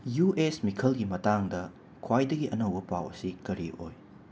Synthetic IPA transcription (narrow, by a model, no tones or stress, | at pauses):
juʔesmikʰɐlɡimɐtaŋdɐ | kʰwajdɐɡiʔɐnɐwbɐpa̰wɐ̰sikɐɾiʔo̰j